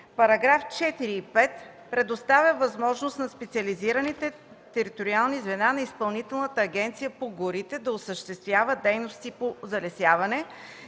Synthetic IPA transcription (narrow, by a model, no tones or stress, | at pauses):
pɐɾɐɡɾaft͡ʃɛt̪iɾiːpɛt̪ | pɾɛd̪ost̪avʲjəvɐzmɔʒnost̪nɐspɛt̪sʲiəliziɾənit̪ɛ | t̪ɛɾit̪oɾialˠnizvɛnanɐispɐlˠnit̪ɛlˠnət̪əːɡɛnt̪sijəpoɡoɾit̪ɛd̪ɐʊsəʃt̪ɛst̪vʲjavəd̪ɛjnost̪ipozɐlɛsjavɐnɛ